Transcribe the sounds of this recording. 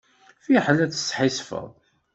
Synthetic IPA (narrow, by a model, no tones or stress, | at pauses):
fiħlæt͡sə̥sːħisfə̰ðˤ